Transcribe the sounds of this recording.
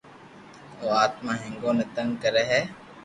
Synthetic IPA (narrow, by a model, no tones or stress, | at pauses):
oːaːt̪mãːɦẽŋɡõːneːt̪əŋɡkəɾeːɦɛː